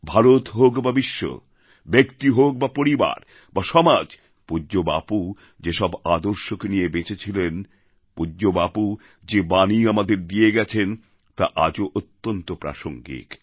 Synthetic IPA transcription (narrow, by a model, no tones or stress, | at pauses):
bʱaɾot̪ɦokbabiʃːo̰ | bekt̪iɦok̚bapoɾiba̰ɾ | baʃɔmad͡ʑ | pud͡ʑoba̰pu | d͡ʑeʃɔbad̪oɾʃokenijebet͡ɕʰet͡ɕʰilen | puːobapu | d͡ʑebaniamad̪eɾd̪ieɡɛt͡ɕʰen | t̪a̰ʔad͡ʑoʔot̪ːont̪opɾa̰ʃoŋɡḭk